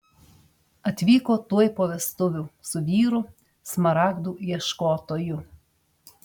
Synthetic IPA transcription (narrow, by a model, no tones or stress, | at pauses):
ɐt̪ʲʋʲiːkoːt̪uɔjpoːʋʲɛst̪ʊʋʲʊsʊʋʲiːɾʊ | smɐɾɑːɡd̪uːjiɛʃkoːt̪oːjʊ